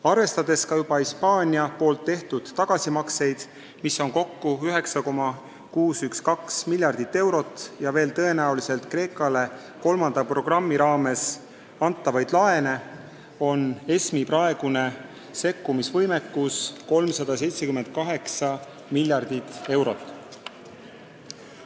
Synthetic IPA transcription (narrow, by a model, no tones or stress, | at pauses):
ɑrve̞st̪ɑd̪̥e̞skɑjub̥ɑhispɑːnʲiɑpo̞ːlt̪ːe̞ht̪ud̪̥ːɑɡ̥ɑsimɑkse̞jd̪̥ | misːo̞nko̞kːuyɦe̞ksɑko̞mɑ | kuːsykskɑksmilʲːjɑrd̪̥it̪ːe̞wɾo̞t̪ːˑjɑve̞ːlt̪ɤ̞e̞næulise̞lt̪kre̞ːkːˑɑle̞ | ko̞lmɑnd̪̥ɑpro̞ɡ̥rɑmːiɾɑːme̞s | ɑnt̪ːˑɑvɑjd̪lɑe̞ne̞ | o̞ne̞smipɾɑe̞ɡ̥une̞ | se̞kːumisvɤjmekːusko̞lmsɑd̪̥ɑse̞jt̪sekyment̪̚kɑɦe̞ksɑ | milʲjɑrd̪̥it̪ːˑe̞wɾo̞t̪ːˑ